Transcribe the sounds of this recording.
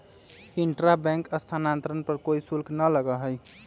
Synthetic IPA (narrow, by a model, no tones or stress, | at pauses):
iɳʈɾabɛ̃ŋkəst̪ʰanant̪ɾənpəɾkoisulknələɡəɦəj